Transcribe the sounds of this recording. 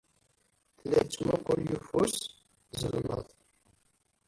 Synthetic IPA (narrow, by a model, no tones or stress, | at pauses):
θlːæt͡sːmæqʊɾjufus | zəlnə̰ðˤ